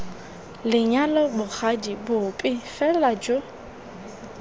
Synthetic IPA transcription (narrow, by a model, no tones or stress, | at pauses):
lɪɲalɔbʊk͡xadibʊpʼɪfɛlad͡ʒo